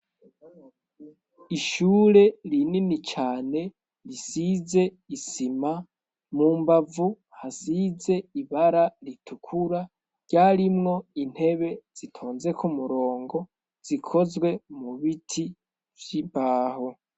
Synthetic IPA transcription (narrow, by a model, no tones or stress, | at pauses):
iʃuːɾe̞ɾininit͡ʃaːne̞ | ɾisize̞ | isima | muːmbavu | hasize̞iβaɾaɾitʰukʰuɾa | ɾɟ̥aːɾimŋo̞in̥he̞βe̞z̥itʰoːnze̞kʰumuɾo̞ːŋɡo̞ | z̥ikʰo̞zɡwe̞muβitʰi | vjibaːho̞